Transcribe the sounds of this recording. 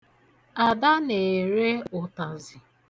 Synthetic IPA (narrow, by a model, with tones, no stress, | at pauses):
a˨da˦ne˨ɾe˦ʊ˨ta˨zɪ˨